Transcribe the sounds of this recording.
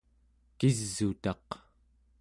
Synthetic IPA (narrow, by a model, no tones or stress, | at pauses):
kizːut̪ɑq